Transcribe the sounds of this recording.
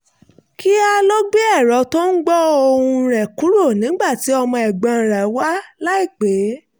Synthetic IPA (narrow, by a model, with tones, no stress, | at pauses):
ki˦a˧lo˦ɡ͡be˦ɛ˦˨ɾɔ˨˦to˦n̩˦ɡ͡bɔ˦o˧hũ˧ɾɛ˨ku˨˦ɾo˦˨nĩ˨˦ɡ͡ba˦˨ti˨˦ɔ˧mɔ̃˧ɛ˨ɡ͡bã˨˧˨ɾa˨˦wa˦la˦i˦˨k͡pe˨˦